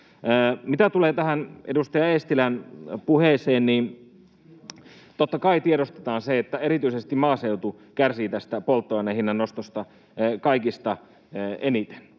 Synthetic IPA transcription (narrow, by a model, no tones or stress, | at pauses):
mit̪æt̪uleːt̪æhænedust̪ɑjɑest̪ilænpuheːseːnniːn | t̪ot̪ːɑkɑit̪ieɾost̪e̥t̪ɑːnseet̪ːæeɾit̪yisest̪immɑːseut̪u | kærsiːt̪æst̪æpolt̪ːoɑnehinːænost̪ost̪ɑ | kɑikist̪ɑ | enit̪e̥n